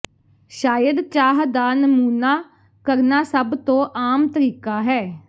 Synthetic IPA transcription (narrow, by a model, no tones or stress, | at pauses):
ʃaːjəd̪t͡ʃaːɦd̪aːnəmuːnaː | kəɾnaːsəbt̪õːʔaːmt̪əɾiːkaːɦɛː